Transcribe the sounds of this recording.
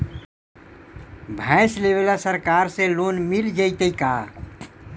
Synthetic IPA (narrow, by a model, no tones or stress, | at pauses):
bʱɛ̃ɪsleβelasəɾkaɾsẽlonmild͡ʒəɪt̪əjka